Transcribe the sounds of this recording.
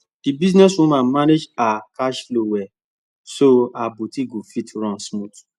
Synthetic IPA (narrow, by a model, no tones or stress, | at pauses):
d̥ibis̬nɛswɔ̃mãːmaned͡ʒakaʃlowɛ | soabotiɡofitɾãnsmũt